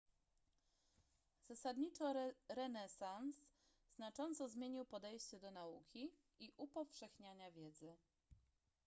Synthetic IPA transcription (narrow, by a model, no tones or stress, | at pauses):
z̥asad̪ɲit͡ʂɔɾɛnɛsans | z̥nat͡ʂɔnt̪sɔzmʲjeɲiwpɔd̪ɛjɕt͡ɕɛd̪ɔnaukʲi | iʔupɔfʂɛxɲaɲavʲjɛd̪zɘ